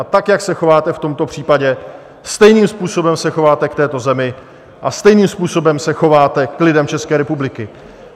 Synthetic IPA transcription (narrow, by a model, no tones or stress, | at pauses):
at̪akjaksɛxo̞vaːt̪ɛft̪o̞mt̪o̞pr̝̥iːpaɟɛ | st̪ɛjniːmspuːso̞bɛmsɛxo̞vaːt̪ɛkt̪ɛːt̪ozɛmɪ | ʔast̪ɛjniːmspuːso̞bɛmsɛxo̞vaːt̪ɛklɪdɛmt͡ʃɛskɛːɾɛpublɪkɪ